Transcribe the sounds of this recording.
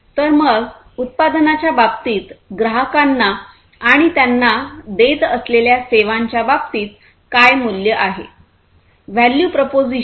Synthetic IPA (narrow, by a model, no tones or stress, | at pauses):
t̪əɾməɡ | ut̪̚pad̪nat͡ɕjabapt̪iːt̪ɡɾəɦəkanːaː | ɽ̃it̪janːad̪et̪əsleljaseʋaɲt͡ɕjabap̚t̪iːt̪̚ | kajmuljəʔaɦḛ | ʋæljupɾopod͡zi